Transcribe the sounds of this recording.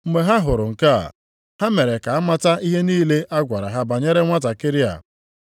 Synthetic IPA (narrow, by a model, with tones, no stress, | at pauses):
m̩˦me˨ɦa˦ɦʊ˨ɾʊ˨ŋ̩˨ka˦a̰˨ | ha˦me˨ɾe˨ka˨a˦ma˦ta˦i˦ɦe˦niː˦le˦ʔa˦ɡʷa˨ɾa˨ɦa˦ba˨ɲe˦ɾe˦ŋʷa˦ta˨kɪ˦ɾi˦a̰˨